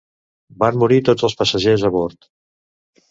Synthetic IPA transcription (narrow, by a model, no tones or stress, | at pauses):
banmuɾit̪od͡zəlˠspəsəʒezəβoɾt̪